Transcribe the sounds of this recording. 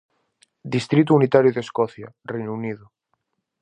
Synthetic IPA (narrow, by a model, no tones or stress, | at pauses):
d̪ist̪ɾit̪uunit̪aɾjuðeskɔθja | rejnuuniðu